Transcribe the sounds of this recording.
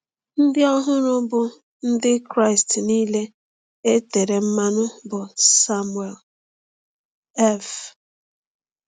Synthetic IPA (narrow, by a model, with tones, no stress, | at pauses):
n̩˦dɪ˦ɔ˦ɦʊ˦ɾʊ˦bʊ˦ | n̩˦dɪ˦kɾa˦ɪ˨stniː˦le˦ | e˦te˨ɾe˨m̩˦ma˦nʊ˦bʊ˨sa˦m˨e˨l | ɛ˦˨f